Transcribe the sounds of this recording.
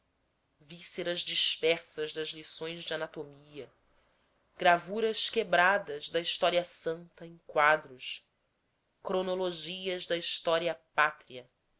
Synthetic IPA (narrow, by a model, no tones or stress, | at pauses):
viseɾɐzd͡ʒiʃpɛɾsɐzd̪ɐzlisõj̃zd͡ʒɪanat̪omiɐ | ɡ̥ɾavuɾɐʃkebɾad̪ɐzd̪ɐiʃt̪ɔɾiɐsɐ̃nt̪ɐẽŋ̃kwad̪ɾʊs | kɾonoloʒiɐzd̪ɐiʃt̪ɔɾiɐpat̪ɾiɐ